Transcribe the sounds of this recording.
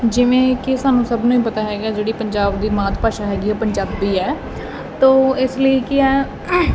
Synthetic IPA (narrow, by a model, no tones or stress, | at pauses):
d͡ʒɪʋẽːkɪsaːnũːsəbnũːiːpət̪aːɦɛːɡaːd͡ʒeːɽiːpəɲd͡ʒaːbd̪iːmãːt̪ʰpaːʃaːɦɛːɡiːɛːpəɲd͡ʒaːbiːɛː | t̪oːɪsləiːkɪɛː